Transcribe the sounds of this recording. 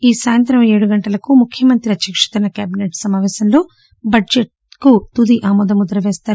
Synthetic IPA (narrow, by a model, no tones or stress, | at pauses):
iːsaːjɐnt̪ɾɐmeːɽuɡɐɳʈɐlɐkumukʰjɐmɐnt̪ɾiɐt̪jɐkʂɐ̥t̪ɐnɐkaːbineʈsɐmaːʋɛːsɐmlo̞ː | bɐd͡ʒeʈ | kut̪ud̪iʔaːmɔːd̪ɐmud̪ɐɾɐʋɛːst̪aːɾu